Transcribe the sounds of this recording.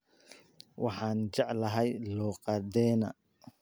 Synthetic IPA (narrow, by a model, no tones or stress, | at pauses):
wʔɑħɑːnt͡ʃɑʕlɐɦɛjlɔːqɑd̪ɛːnɐ̰